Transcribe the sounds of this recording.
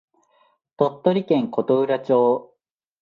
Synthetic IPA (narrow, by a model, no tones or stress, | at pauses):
t̪ot̪ːo̞ɾʲikẽ̞ŋko̞t̪oɯ̟ɾat͡ɕo̞ː